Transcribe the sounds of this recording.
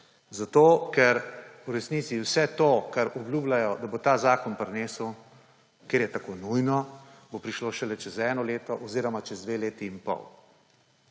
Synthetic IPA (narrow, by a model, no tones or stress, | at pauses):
zat̪oːkɛɾuɾɛsniːt̪siwsɛt̪okaɾɔbljublajɔd̪abot̪aːzaːkɔnpɾɛneːsəw | keːɾjɛt̪akoːnujnɔbopɾiʃloʃɛlɛt͡ʃɛzɛːnɔleːt̪ɔʔɔziːɾɔmat͡ʃɛzd̪ʋeleːt̪iːnpɔ̰w